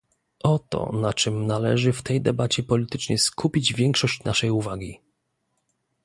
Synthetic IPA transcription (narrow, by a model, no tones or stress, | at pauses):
ʔɔt̪ɔ̰nat͡ʂɘmnalɛ̰ʐɘft̪ɛjd̪ɛbat͡ɕɛpɔlʲit̪ɘt͡ʂɲɛskʰupʲid͡ʑvʲjɛŋkʂɔɕt͡ɕnaʂɛjuvaɡʲi